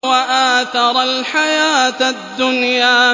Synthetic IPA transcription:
waʔaːθɑɾˤalħajaːt̪d̪ːʊnjaː

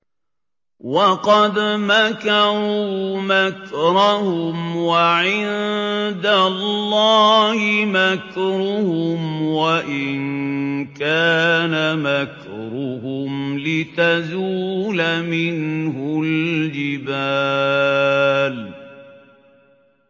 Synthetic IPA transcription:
wɑqɑd̪makɑɾɾuːmakɾˤahʊmwaʕɪnd̪alːɑːhɪmakɾʊhʊmwaʔɪnkaːnamak | ɾˤʊhʊmlɪt̪azuːlamɪnhʊld͡ʒɪbaː | l

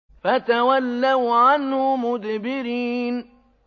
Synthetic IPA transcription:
fat̪awalːawʕanhʊmʊd̪bɪɾiːn

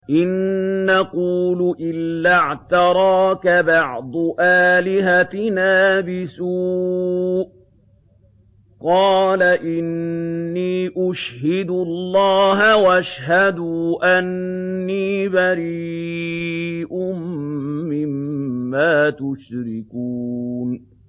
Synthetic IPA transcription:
ʔɪnːaquːlʔɪlːaʕt̪ɑɾˤɑːkabɑʕd̪ˤʔaːlɪɦatnaːbɪsuː | ʔ | qɑːlaʔɪnːiːʔʊʃhɪd̪lˤːɑːɦawʔaʃhad̪uʔanːiːbaɾiː | ʔʊmː | ɪmːaːt̪ʊʃɾɪkuːn

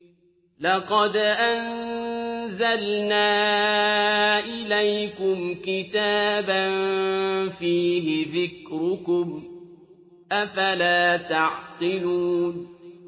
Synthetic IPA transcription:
lɑqɑd̪ʔan | zalnaː | ʔɪlajkʊmkɪt̪aːban | fiːɦɪðɪkɾʊkʊm | ʔafalaːt̪ɑʕt̪ˤɪluːn

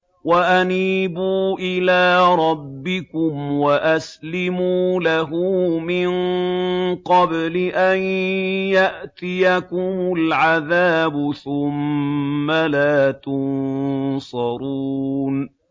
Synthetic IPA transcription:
waʔaniːbuːʔɪlaːɾˤɑbːɪkʊmwaʔaslɪmuːlaɦʊːmɪn | qɑblɪʔanjaʔt̪ɪjakʊmʊlʕaðaːbʊθʊmː | alaːt̪ʊnsɑɾuːn

